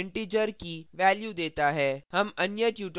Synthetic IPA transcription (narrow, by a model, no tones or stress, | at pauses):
ɳʈid͡ʒəɾkiʋɛːljud̪eːt̪aɦɛːhɐmɐnjətjuːʈ